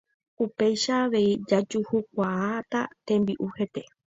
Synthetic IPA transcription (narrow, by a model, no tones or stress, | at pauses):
upe̞jʃaːʋe̞id͡ʒad͡ʒuhuk̚ʷaat̪a̰t̪ẽ̞mbiʔuhe̞t̪e̞